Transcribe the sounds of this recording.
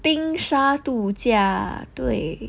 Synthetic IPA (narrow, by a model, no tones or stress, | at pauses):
piŋʂat̪ut͡ɕjat̪weɪ